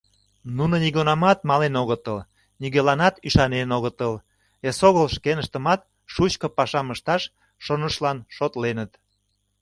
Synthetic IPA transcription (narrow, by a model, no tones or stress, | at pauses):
nunoniɣonɑmɑt̪mɑlenoɣət̪əl | niɣelɑnɑt̪yʃɑnenoɣət̪əl | esoɣəlʃkenəʃt̪ə̆mɑt̪̚ | ʃut͡ɕkopɑʃɑməʃt̪ɑʃ | ʃonəʃlɑnʃot̪lenət̪